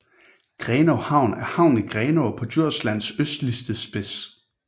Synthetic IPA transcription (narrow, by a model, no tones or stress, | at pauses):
ɡ̥ʁɛːnohɑ̈ʊ̰næɐhɑ̈ʊ̰niɡ̥ʁɛːnoʊpʰɒ̽dyɐ̰slæn̰søsd̥lisd̥əsb̥e̝s